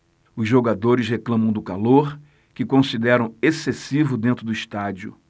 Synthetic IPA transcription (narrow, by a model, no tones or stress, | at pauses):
ʊzʒoɡad̪oɾɪsheklɐ̃mɐ̃w̃d̪ʊkaloɾ | kɪkõsid̪ɛɾɐ̃w̃esesivʊd̪ẽnt̪ɾʊd̪ʊiʃt̪ad͡ʒiʊ̰